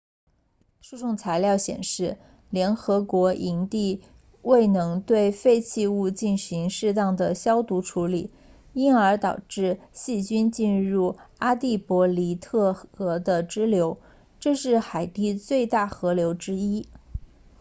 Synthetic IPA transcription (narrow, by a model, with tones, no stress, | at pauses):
ʂu˥˧ʂʊ˥˩ŋt͡sʰa˧˥ɪljɑ˥˩ʊɕjɛ̰˨˩nʂɻ̩˥˩ | ljɛ˧˥nxɤ˧˥kwɔ˧˥ʔi˧˥nt̪i˥˧ | we˥˩ɪnɤ˧˥ŋt̪we˥˧ɪfe˥˧ɪt͡ɕʰi˥˧u˥˧t͡ɕi˥˩nɕi˧˥ŋʂɻ̩˥˧t̪ɑ˥˩ŋd̪ə˩ɕjɑ˥ʊt̪u˧˥ʈ͡ʂʰu˧˥li˨˩˦ | i˥nə˞˧˥t̪ɑ˨˩ʊʈ͡ʂɻ̩˥˧ɕi˥˩t͡ɕy˥nt͡ɕi˥˧nɻu˥˩a˥t̪i˥˩pwɔ˧˥li˧˥t̪ʰɤ˥˩xɤ˧˥d̪ə˧ʈ͡ʂɻ̩˥ljo˧˥ʊ | ʈ͡ʂɤ˥˧ʂɻ̩˥˩xa˨˩ɪt̪i˥˧t͡swe˥˧ɪt̪a˥˩xɤ˧˥ljo˧˥ʊʈ͡ʂɻ̩˥i˥